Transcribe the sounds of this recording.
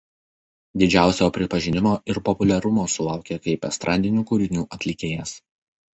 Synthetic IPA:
d̪ʲɪd͡ʒʲæˑʊsʲoːpʲɾʲɪpɐʒʲɪnʲɪmoːʔɪɾpɔpʊlʲɛɾʊmoːsʊlˠɑˑʊkʲeːkɐɪpɛst̪ɾʔɑːd̪ʲɪnʲuːkʊːɾʲɪnʲuːʔɐt̪ʲlʲɪkʲeːjɛs

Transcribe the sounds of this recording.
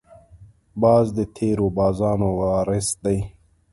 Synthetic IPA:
baːzd̪et̪ʰeːɾobɑːzɑːnowɑːɾesd̪aj

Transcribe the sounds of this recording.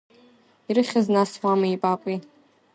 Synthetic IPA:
iɾɨχʲaznaswamɨipʼapʼi

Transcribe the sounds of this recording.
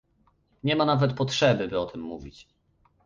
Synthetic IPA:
ɲɛmanavɛt̪̚pɔtʂɛbɘbɘɔt̪ʰɘmːuvʲit͡ɕ

